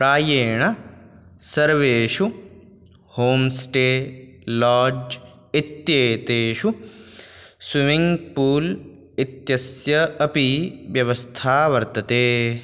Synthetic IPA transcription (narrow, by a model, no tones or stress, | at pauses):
pɾaːjeːɳɐ | sɐɾʋeːʃu | hoːmsʈeːlaːd͡ʒ | it̪jeːt̪eːʃu | swimiŋɡpuːl | it̪jɐsjɐɐpiʋjɐʋɐst̪ʰaːʋɐɾt̪ɐt̪eː